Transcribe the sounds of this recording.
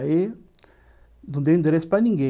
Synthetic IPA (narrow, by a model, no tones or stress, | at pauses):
i | d̪ũnd̪eĩnd̪eɾesu̥pɾanĩŋɡe